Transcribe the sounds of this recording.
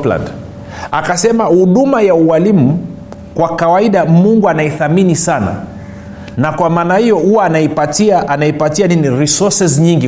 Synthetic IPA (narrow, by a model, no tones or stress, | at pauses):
pla̰nd | a̰kasɛmahuɗumajauwalimu | kwakawaiɗamuŋɡuanaiθaminisana̰ | nakwamaːnahijɔhuwaːnaipatiaʔanaipatianiniɾisɔsɛzɲiŋɡi